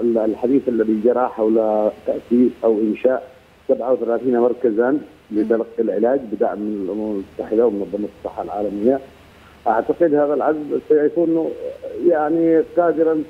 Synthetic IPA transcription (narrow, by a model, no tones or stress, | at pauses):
lħad̪iːθʔalːaðid͡ʒɑɾˤɑħawlat̪aʔsiːsʔawʔɪnʃaːʔ | sabʕawθalaːθiːnmɑɾˤkazan | lɪt̪alɑqːilʕɪlaːd͡ʒbɪd̪a̰ʕmːɪnɪlʔʊmamalmʊt̪ːaħɪd̪awmɪnɑðˤːɑmɑt̪ɨ̥sˤːɑħːalʕaːlamɪjːa | ʔaʕt̪aqɪd̪haːðalʕazmsajaʕfuːʔɪnːujaʕniqɑːd̪ɪɾɑn